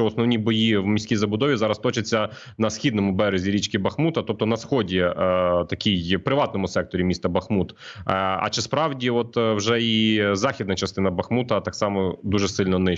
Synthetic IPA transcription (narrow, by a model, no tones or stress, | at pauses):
t͡ʃɔɔsnɔʋnʲibɔjiwmʲisʲkʲijzɐbʊd̪ɔʋʲizɑɾɐst̪ɔt͡ʃɐt͡sʲːɐ | nɐsxʲid̪nɔmʊbɛɾezʲiɾʲit͡ʃkɪbɐxmut̪ɐt̪ɔp̚t̪ɔnɐsxɔdʲit̪ɐkʲijpɾɪʋɑt̪nɔmʊsɛk̚t̪ɔɾʲimʲist̪ɐbɐxmut̪ɐ̰t͡ʃɪspɾɑwdʲiɔt̪wʒɛizɑxʲid̪nɐt͡ʃɐst̪ɪnɐbɐxmut̪ɐt̪ɑksɑmɔd̪uʒɛsɪlʲnɔnɪ